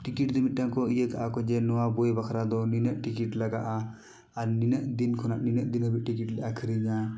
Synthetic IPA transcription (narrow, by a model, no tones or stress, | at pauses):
ʈikiʈd̪imit̪̚ˀʈaŋkɔijək̪ʰaʔakɔd͡ʒɛnɔwabɔjbakʰɾad̪ɔninəʔʈikiʈlaɡaʔaː | ɾninəʔd̪inkʰɔnaʔninəʔd̪inɦəbit̪̚ʈikiʈlɛʔakʰəɾiɲa